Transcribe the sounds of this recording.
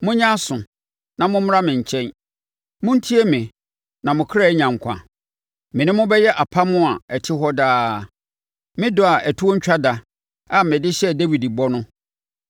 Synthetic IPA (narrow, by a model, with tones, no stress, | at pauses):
mʊ̃˦ɲã˦sʊ̃˨ | nã˨mʊ̃˦m˦ɾa˦mɪ̃˨ɲ̩˨t͡ɕʰɛ̃˦n | mʊ̃˦n̩˦tʰi˦e˦mɪ̃˨ | nã˨mʊ̃˨kʰɾa˦˨˦ɲã˨ŋ˨kʷʰã̰˨ | mɪ̃˨nɪ̃˦mʊ̃˦bɛ˦jɛ˦ʔa˨pʰa˦mʊ̃˦a˨ɛ˨tʰɪ˦ɦɔ˦daː˦˨ | mɪ̃˦dʊ˨a˨ʔæ˨tʰu˦o˦ɲ̩˦t͡ɕᶣa˦da˨ | a˨mɛ̃˨dɪ˦ɕɛ˦de˦wi˨di˨bɔ˦nʊ̃˦